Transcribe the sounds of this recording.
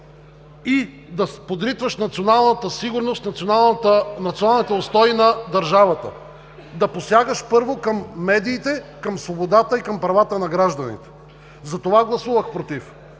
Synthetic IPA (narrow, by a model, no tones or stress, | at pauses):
i | d̪ɐpod̪ɾit̪vəʃnɐt̪sionalˠnət̪əsiɡʊɾnost̪nɐnˠnɐt̪sionalˠnit̪ɛost̪ɔinɐd̪ɐɾʒavɐt̪ə̰ | d̪ɐposjaɡəʃpɤɾvokɐmːɛd̪iːt̪ɛkɐmsvobod̪at̪əikɐmpɾɐvat̪ənɐɡɾaʒd̪ɐnḭt̪ɛ̥ | zɐt̪ovaɡlˠɐsuvəxpɾot̪if